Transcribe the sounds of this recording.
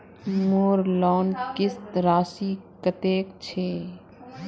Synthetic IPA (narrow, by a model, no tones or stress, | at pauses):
moːɾlɔːnkɪst̪ɾaːsiːkət̪eːkt͡ʃʰeː